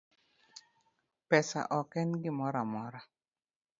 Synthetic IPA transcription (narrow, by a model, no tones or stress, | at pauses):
pɛsa̰ʔɔkɛnɡɪmɔɾamɔɾa